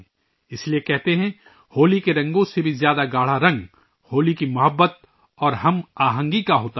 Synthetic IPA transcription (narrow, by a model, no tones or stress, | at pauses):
ɪsliekɛɦt̪eɦɛ̃ | hoːlikeɾɐ̃ŋɡõsebʱizjaːd̪aɡaːɽ̤aɾɐ̃ŋɡ | hoːlikimɐɦəbːət̪̚ | ɔːɾɦɐmaːɦə̃ŋɡikaɦoːt̪a